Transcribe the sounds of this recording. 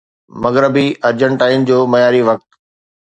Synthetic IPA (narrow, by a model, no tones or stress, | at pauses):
mɐɣɾəbiɐɾd͡ʑəɳʈaːɪnd͡ʑoːmɐjaːɾiʋɐk̚t̪